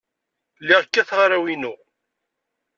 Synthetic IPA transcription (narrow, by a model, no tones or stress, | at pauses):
lːiʁəkːæθʁɾawinʊ